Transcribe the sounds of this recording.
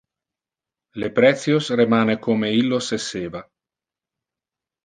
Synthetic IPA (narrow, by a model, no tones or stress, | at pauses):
lepɾɛt̪sjosremaːnekoːmeilːoseseːva